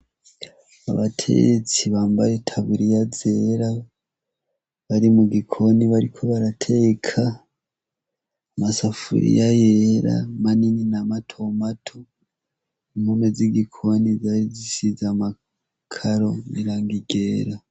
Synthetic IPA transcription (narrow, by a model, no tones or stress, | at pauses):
a̰βatʰḛɡet͡siβaːmba̰ɾetʰaβuɾijaze̞ɾa | βaɾimuɡikʰo̞niβaɾikʰoβaɾatʰe̞kʰa | masafṵɾḭjajeɾa̰manininamatʰo̞matʰo | imhomeziɡikʰo̞nizaɾizisizama | kʰaɾo̞miɾaːŋɡiɡe̞ːɾa